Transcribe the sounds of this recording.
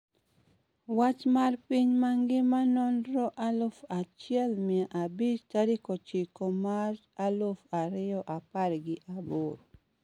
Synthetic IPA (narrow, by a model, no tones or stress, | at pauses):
wat͡ʃmarpiɲmaŋɡɪmanɔnɾɔʔalofat͡ʃɪɛlmɪaʔabit͡ʃtaɾikot͡ʃikomaɾ | alofaɾɪɔʔapaɾɡɪʔaboɾo